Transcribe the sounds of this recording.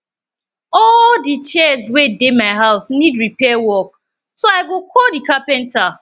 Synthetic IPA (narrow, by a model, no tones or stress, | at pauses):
ɔldit͡ʃɛzwedemaɪɦaʊsnidɹipɛawɔk | soaɪɡokʰodikapɛ̃nta